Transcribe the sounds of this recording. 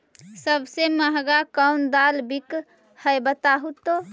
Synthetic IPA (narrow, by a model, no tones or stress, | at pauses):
səbʱseməɦɡakənd̪albik | həjbət̪aɦut̪o